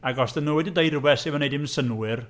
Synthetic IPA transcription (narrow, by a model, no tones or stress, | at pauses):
aɡɔsdənuwɛdidejrubɛsɪmənejdɪmnsənwɪr